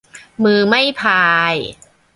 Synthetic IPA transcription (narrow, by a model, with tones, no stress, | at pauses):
mɯː˧ma˥˩jpʰaː˧j